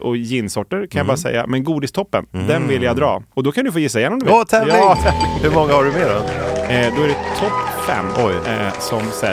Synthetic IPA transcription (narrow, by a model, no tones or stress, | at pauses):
ʔɔjɪnːsɔʈːəɾkʰanjabɑːɾasɛ̰jːa̰mɛnɡuːd̪ɪst̪ʰɔpːə̰nd̪ɛnvɪljad̪ɾɑːɔd̪ɔkʰand̪ɵfoːjɪsːaɪjɛnːɔmd̪vɔɛvlɪt̪ʰɛvlɪhɵɾmɔŋːahaɖɵmeːɾɛnd̪ɔæɖɛt̪ʰɔpːfɛ̰mːɔjsɔmsɛ